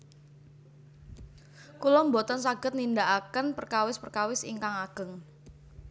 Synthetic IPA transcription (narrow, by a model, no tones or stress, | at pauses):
kulɔmbɔt̪ɔnsaɡ̥ət̪̚nindaʔakənpərkawɪspərkawɪsḭŋkaŋaɡ̥ə̤ŋ